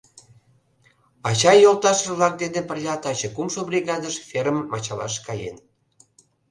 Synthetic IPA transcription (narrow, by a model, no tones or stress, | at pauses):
ɑt͡ɕɑjolt̪ɑʃəlɑk̚d̪end̪epərlʲɑt̪ɑt͡ɕə̆kumʃobrʲiɣɑd̪əʃfʲeɾəmːɑt͡ɕɑlɑ̰ʃkɑjḛn